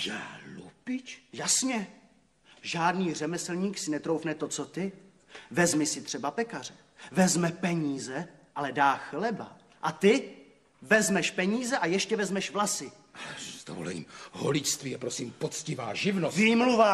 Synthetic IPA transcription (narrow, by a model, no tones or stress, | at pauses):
ʒalupɪt͡ʃjasɲɛ | ʒaːdniːr̝ɛmɛslɲiːksɪnɛt̪ɾo̞wfnɛt̪o̞t͡so̞t̪ɪ | vɛzmɪsɪt̪r̝̥ɛbapɛkar̝ɛ | vɛzmɛpɛɲiːzɛʔalɛdaːxlɛba | ʔat̪ɪ | vɛzmɛʃpɛɲiːzɛʔajɛʃcɛvɛzmɛʃvlasɪ | ʔalɛz̥d̥̪o̰vo̰lɛ̰ɲḭːmɦo̰lɪcst̪viːjɛpɾosiːmpot͡scɪva̰ːʒɪvnosviːmluvaː